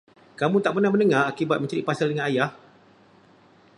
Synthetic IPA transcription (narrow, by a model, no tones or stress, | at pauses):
kamũt̪aʔpərnahmə̃nəŋãakibat̪̚mə̃ɲt͡ʃaɾiʔpasaldəŋãnajah